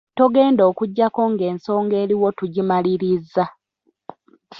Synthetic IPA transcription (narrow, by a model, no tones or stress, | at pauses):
toɡe̞ːndo̞ːkuɟːako̞ŋɡe̞ːnso̞ːŋɡe̞ːɾiwo̞tuɟimaliɾizːa